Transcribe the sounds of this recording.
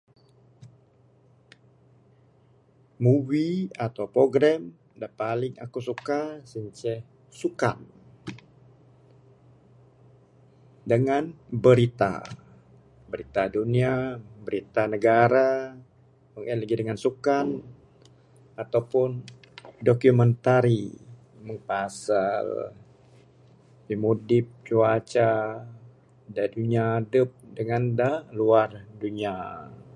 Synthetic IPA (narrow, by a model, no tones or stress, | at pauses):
muviat̪awpɾoɡɾam | dapalɪŋa̰kusukasəɲt͡ʃɛ | sukan | dəŋanbəɾit̪a̰ | bəɾit̪aduniabəɾit̪anəɡaɾa | məŋɛləɡidəŋansukan | at̪awpʊn | dokumənt̪aɾi | məŋpasal | pimudɪp̚t͡ʃuat͡ʃa | daduɲadəp̚dəŋandaluarduɲia